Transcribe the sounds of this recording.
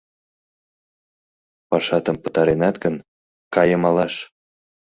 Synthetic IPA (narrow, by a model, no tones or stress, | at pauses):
pɑʃɑt̪əmpə̥̆t̪ɑɾenɑt̪ɡən | kɑjəmɑlɑʃ